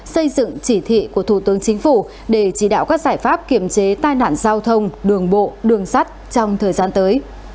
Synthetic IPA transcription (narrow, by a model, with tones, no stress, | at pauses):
sə˧jzɨ̰˧˨ŋt͡ɕi˧˩t̪ʰḭ˧˨ku˧˩ət̪ʰu˧˩t̪ɨ˨˦əŋt͡ɕï˨˦ŋ̟fu˧˩ | ɗe˧˩t͡ɕi˧˩ɗa̰ː˧˨wkaː˦˥k̚zaː˧˩jfaː˦˥p̚ki˧˩əmt͡ɕe˨˦t̪aː˧jna̰ː˧˨nzaː˧wt̪ʰə˧wŋ͡mɗɨ˨˩əŋɓo̰˧˨ɗɨ˨˩əŋsa˦˥t̚t͡ɕɔ˧wŋ͡mt̪ʰəː˨˩jzaː˧nt̪əː˨˦j